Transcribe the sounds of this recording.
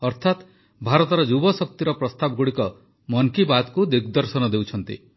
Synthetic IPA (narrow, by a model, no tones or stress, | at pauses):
ɔɾt̪ʰat̪ | bʱaɾɔt̪ɔɾɔd͡ʒubɔsɔk̚t̪iɾɔpɾɔst̪abɔɡuɽikɔ | mɔŋkibat̪kud̪iɡd̪ɔɾsɔnɔd̪ewt͡ʃʰɔnt̪ḭ